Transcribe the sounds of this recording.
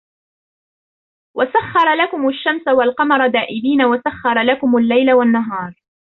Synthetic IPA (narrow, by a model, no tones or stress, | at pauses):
wʔasaχːɑɾˤɑlakʊmʊʃːamsawalqɑmɑɾˤɑd̪aːʔɪbiːnawasaxːɑɾˤɑlakʊmʊlːajlawanːaɦɑːɾˤ